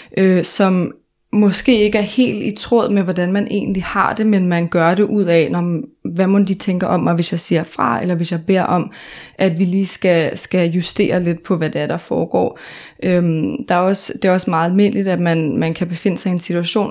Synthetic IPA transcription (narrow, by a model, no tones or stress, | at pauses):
ʔøsɒ̽m | mɒ̽sɡ̥e̝̰ːe̝ɡ̥əæɐhe̝̰ːld̥it͡sʰʁɔð̞̰ˠmeʋɒd̥ænmænʔe̝̰ːn̩lihɑ̈d̥e̝menmænɡ̥ɶɐɾ̥e̝ʔuð̞̰ˠɛnɒʋæmond̥it͡sʰeŋɡ̥ɐʔɒ̽mːɑɪʋe̝sjɑ̈ɪsiɐ̰fʁɑ̈elɐʋe̝sjɑ̈ɪb̥e̝ɐ̰ʔɒ̽mʔæd̥ʋiliːsɡ̥æsɡ̥æjusd̥e̝̰ːɐle̝d̥pʰɒ̽ʋæd̥eæɐɾ̥ɑ̈fɒːɡ̥ɒ̰ː | ʔømd̥ɑ̈æɐɒ̽sd̥e̝æɒ̽smɑ̈ːð̩ˠælme̝̰n̰lid̥æd̥mænmænkʰæb̥e̝fe̝n̰əsɑ̈ɪiensit͡sʰuæɕo̝̰ːn